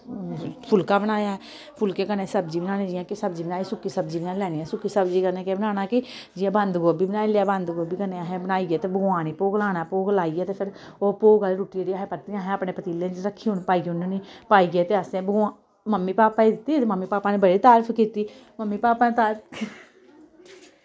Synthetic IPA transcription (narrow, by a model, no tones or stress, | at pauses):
pʰʊlkaːbəɽaːjaːɛ | pʰʊlkeːkəneːsəbd͡ʒiːbənaːnẽːd͡ʒɪjãːkɪsəbd͡ʒiːbnaːiːsʊkːiːsəbd͡ʒiːbənaːlɛːniːɛːsʊkːiːsəbd͡ʒiːkəneːkebənaːnaːkɪd͡ʒɪãːbənd̪ɡoːbiːbənaːileaːbənd̪ɡoːbiːkənẽaɦẽbənaːiːɡeːt̪eːbəɡaːñiːpoːɡlaːnaːpoːɡlaːiːɡɛːt̪eːpʰɪɾoːpoːɡaːeɾuːʈiːeɽiaːɦẽːpət̪iãːɦɛ̃ːaːpnẽːpət̪iːlẽːd͡ʒɾəkʰːiːʊnpaːiːɡnːniːpaːiːɡeːt̪eːəsẽːbəɡaː | məmːiːpaːpːaːid̪ɪt̪ːiːməmːiːpaːpaːneːbəɽiːt̪aːɾfʰkiːt̪iː | məmːiːpaːpaːneːt̪aːɾpː